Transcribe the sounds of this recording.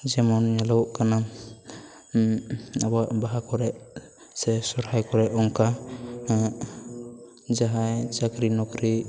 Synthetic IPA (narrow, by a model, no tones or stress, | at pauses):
d͡ʒɛmɔnɲalɔwʔkana | abaʔbaɦakɔɾɛʔ | sɛsɔɾhajkɔɾɛʔɔŋka | d͡ʒaɦajt͡ʃaɡɾinɔkɾi